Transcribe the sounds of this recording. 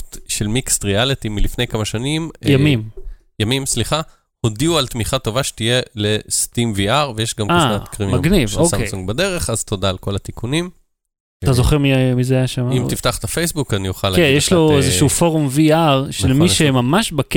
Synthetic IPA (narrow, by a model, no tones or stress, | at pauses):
tʃelmikstʁialit̪imilifnejkamaʃanimjamim | jamimsliχa | hodiualt̪miχat̪o̞vaʃe̥t̪ijelest̪imviaʁvejeʃɡamkanatkʁiminmaɡnivosesuŋɡ̚bad̪e̞ʁe̞χazt̪o̞daːlko̞lat̪ikunim | t̪azoχeʁmimizeajaʃamimt̪ift̪aχt̪afejsbukanijuχalːaenjeʃloezeʃuufo̞ʁomviaʁʃelmiʃemamaʃbak